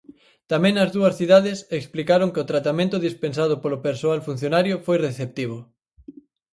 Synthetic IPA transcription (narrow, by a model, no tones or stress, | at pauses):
t̪amẽŋnɐzðuɐsθiðaðɪseksplikaɾoŋkeot̪ɾat̪amẽnt̪ʊðispensaðʊpolʊpeɾsoalfun̟θjonaɾjʊfojreθep̚t̪iβ̞o